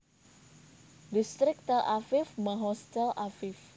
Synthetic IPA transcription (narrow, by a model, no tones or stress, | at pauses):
dist̪ɾɪk̚t̪ɛlʔafɪfmaɦɔst̪ɛlʔafɪf